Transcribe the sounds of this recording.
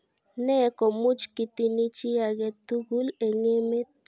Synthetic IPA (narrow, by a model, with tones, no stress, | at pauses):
ne˦˨ko˨mu˦t͡ʃki˧t̪i˧ni˦t͡ʃi˦a˨ɡe˧t̪u˦ɡu˦le˨ŋe˦me˦t̪̚